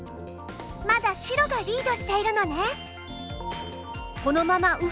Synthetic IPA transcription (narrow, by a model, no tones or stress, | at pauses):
mad̪aɕiɾo̞ɡaɾʲiːd̪o̞ɕi̥t̪e̞iɾɯ̟no̞ne | ko̞nomamaʔɯ̟